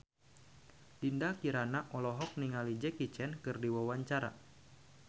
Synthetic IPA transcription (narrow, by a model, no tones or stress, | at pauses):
lindakiɾanaʔɔlɔɦɔk̚niŋalid͡ʒɛkit͡ʃɛnkɨrdiwawaɲt͡ʃaɾa̰